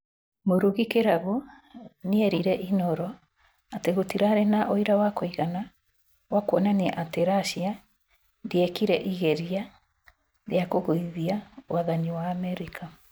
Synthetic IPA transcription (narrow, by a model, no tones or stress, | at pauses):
moɾuɣikeɾaɣo | neɛɾiɾɛʔinɔɾɔ | ateɣotiɾaɾenaʔoiɾawakoiɣana | wakwɔnaneʔateɾaʃia | ndiɛkiɾɛʔiɣɛɾia | ɾeakoɣoiðiaoaðaniwaːmɛɾikʰa